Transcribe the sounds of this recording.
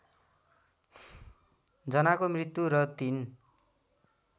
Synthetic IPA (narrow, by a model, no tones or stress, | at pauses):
d͡zʌnakomrit̪juɾʌt̪in